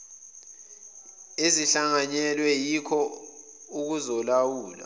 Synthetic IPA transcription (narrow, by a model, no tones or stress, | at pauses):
eziɬaŋaɲɛlwɛjikʰɔ | uk̬uzɔlawuːla̰